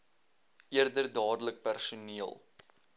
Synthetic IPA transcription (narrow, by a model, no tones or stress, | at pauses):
ʔiərdərdɑːdələk̚pærsuniəlˠ